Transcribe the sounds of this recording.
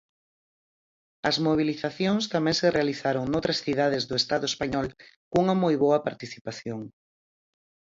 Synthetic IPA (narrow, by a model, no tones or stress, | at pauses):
ɐzmoβ̞iliθaθjoŋst̪amẽŋserealiθaɾoŋnowt̪ɾɐsθiðaðezðʊest̪aðʊespaɲɔlkuŋɐmojβoɐpaɾt̪iθipaθjoŋ